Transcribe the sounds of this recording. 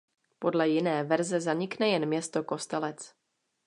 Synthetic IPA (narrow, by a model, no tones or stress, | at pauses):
po̞dlɛjɪnɛːvɛɾzɛzaɲɪknɛjɛnmɲɛst̪oko̞st̪ɛlɛt͡s